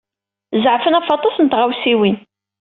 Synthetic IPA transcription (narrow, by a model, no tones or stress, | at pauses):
zʕfənæfɑt̪ˤːɑsnt̪ʁæwsiwin